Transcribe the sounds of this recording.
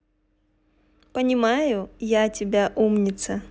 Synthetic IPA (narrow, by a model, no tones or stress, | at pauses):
pənʲɪmajʊjatʲɪbʲaʔumnʲɪt̪sə